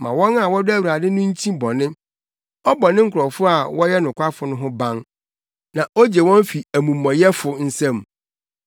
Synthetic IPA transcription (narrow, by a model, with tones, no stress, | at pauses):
mã̰˨wɔ̃˦na˨wɔ˦dʊ˦æ˦ɥi˨ɾa˨dɪ˦nʊ̃˦ɲ̩˦t͡ɕʰĩ˦bɔ˨nɪ̃˦ | ɔ˦bɔ˨nɪ̃˦ŋ̩˦kʰʊ˨ɾɔ˨fʊ˦a˨wɔ˦jɛ˦nʊ̃˨kʷʰa˦fʊ˨nʊ̃˦ɦʊ̃˦bã˦n | nã˨ʔo˦d͡ʑe˨wɔ̃˦m˦fi˨æ˨mũ˨mːɔ̃˨jɛ˦fʊ˨n̩˦sɛ̃˦m